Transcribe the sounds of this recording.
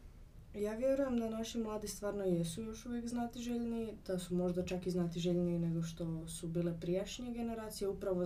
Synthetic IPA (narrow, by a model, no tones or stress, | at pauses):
jaːʋje̞ɾujemd̪anaʃimlˠaːd̪ist̪ʋaːɾnojesujo̞ʃuʋjekznaːt̪iʒeʎnid̪̥asumo̞ʒd̪at͡ʃakiznaːt̪iʒeʎʲniːne̞ɡo̞ʃt̪o̞subiːle̞pɾijeʃnijeɡe̞ne̞ɾaːt̪sijeupɾaʋo